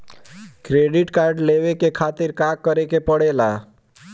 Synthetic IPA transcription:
kɾeɖɪʈkaɾɖlewekekʰat̪ɪɾkakːəɾekepəɽela

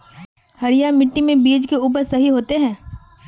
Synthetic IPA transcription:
hɐɾɪjamɪʈːimẽbiːd͡ʒkeuːp̬əɾsɐɦiɦoːt̪eɦɛ̃ː

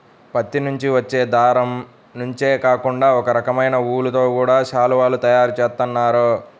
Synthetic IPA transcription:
pɐt̪ːinuɲt͡ʃiʋɐt͡ʃːe̞ːd̪aːɾɐm | nuɲt͡ʃe̞ːkaːkuɳɖaːɔkɐɾɐkɐmɐjnɐuːlut̪o̞ːkuːɽaːʃaːluʋaːlut̪ɐjaːɾut͡ʃeːst̪unːaːɾo

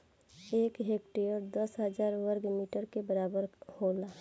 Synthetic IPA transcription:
eːkɦekʈijəɾd̪əsɦəd͡ʒaːɾʋəɾɡmiːʈəɾkebəɾaːbəɾhola

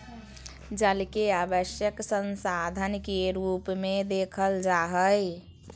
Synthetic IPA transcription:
d͡ʒəlkeabəsjəksənsad̪ʱənkeɾupmed̪ekʰəld͡ʒaɦəj

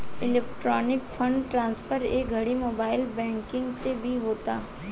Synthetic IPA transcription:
ɪlɛːkʈɾɔːnɪkfʰɐ̃ɳɖʈɾãːnsfəɾeːk̚ɡʱɐɽimoːbaːɪlbɛ̃ːŋkɪ̃ŋɡsebʱiɦoːt̪aː

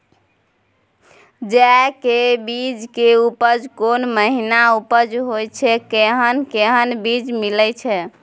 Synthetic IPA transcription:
d͡ʒakebid͡ʒkeupəd͡ʒkonməɦinaupəd͡ʒɦojt͡ʃʰɛkeɦənkeɦənbid͡ʒmilɛt͡ʃʰɛ

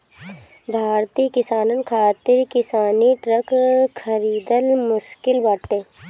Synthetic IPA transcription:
bʱaːɾt̪ikɪsaːnənkʰaːt̪ɪɾkɪsaːniʈɾəkxəɾiːd̪əlmʊʃkɪlbaːʈt̪eː

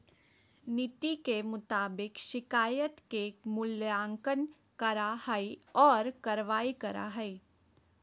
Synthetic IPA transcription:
nɪt̪ikemʊt̪aːbɪkʃɪkaːjət̪kemʊlãːŋkən | kɐɾahaiɔːɾkɐɾʋaːikɐɾa̰ɦɛi

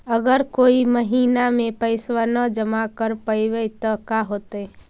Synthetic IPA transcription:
əɡəɾkoːiməɦiːnamẽpəɪswənəd͡ʒəmakəɾpəʋət̪ɔkaɦot̪

